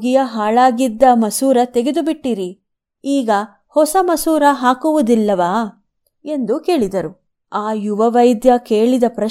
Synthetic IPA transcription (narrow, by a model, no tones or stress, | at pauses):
ɡijɐɦaːɭaːɡid̪ːɐmɐsuːɾɐt̪e̞ɡed̪ubiʈːiɾi | iːɡɐ | hɔsɐmɐsuːɾɐɦaːkuʋud̪ilːɐʋaː | e̞nd̪uke̞ːɭid̪ɐɾu | aːjuʋɐʋɐjd̪jɐkeːɭid̪ɐpɾɐ